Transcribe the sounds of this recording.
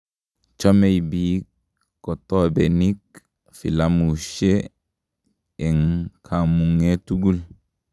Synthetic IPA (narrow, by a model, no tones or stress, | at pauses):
t͡ʃomejbik | kotobenik | filamuʃe | eŋkʰamuŋetuɡul